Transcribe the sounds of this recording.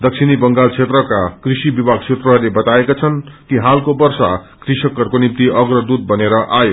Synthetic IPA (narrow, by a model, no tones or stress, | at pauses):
d̪ʌksʰinibʌŋɡalt͡sʰet̪rʌkakrisibibaɡ̚t͡sʰet̪rʌɦʌrlebʌt̪aekat͡sʰʌnkiɦalkobʌrsa | krisʌkːʌrkonip̚t̪iʔʌɡrʌd̪ut̪̚bʌneɾʌʔajo